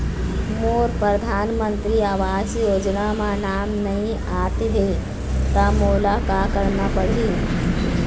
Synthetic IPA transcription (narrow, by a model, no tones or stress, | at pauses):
moːɾpɾəd̪ʱaːnmənt̪ɾiːaʋaːsjoːd͡ʒnamãnaːmnɐəɦĩ | at̪ɦe | t̪amolakakəɾnapəɽi